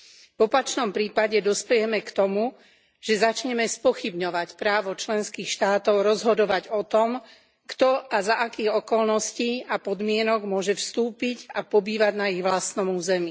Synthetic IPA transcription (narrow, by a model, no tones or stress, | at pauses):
vɔpat͡ʃnɔmpɾiːpaɟɛd̪ɔspɛjɛmɛkt̪ɔmu | ʒ̥ɛzat͡ʃɲɛmɛspɔxibɲɔʋacpɾaːʋɔt͡ʃlɛnskiːxʃt̪aːt̪ɔʊɾɔzɦɔd̪ɔʋaɟɔt̪ɔm | kt̪ɔazaʔakiːɣɔkɔlnɔsciːapɔd̪mɪɛnɔɡmʊɔʒɛfst̪uːpiɟapɔbiːʋaɟnaiɣʋlast̪nɔmuːzɛmi